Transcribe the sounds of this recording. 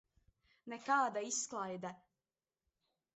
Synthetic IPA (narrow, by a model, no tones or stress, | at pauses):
nekaːd̪aisklˠajd̪a